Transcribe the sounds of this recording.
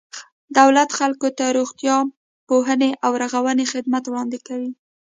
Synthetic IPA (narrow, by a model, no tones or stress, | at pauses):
d̪awlat̪xalkot̪aɾoɣt̪jɑ | poɦəneʔawɾaɣawənexɪd̪mat̪wɽɑnd̪ekawi